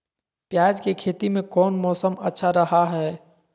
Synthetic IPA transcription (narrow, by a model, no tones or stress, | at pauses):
pjaːd͡ʒkekʰeːt̪imẽkɔːnmɔːsəmətːʃʰaɾəɦaɦɛː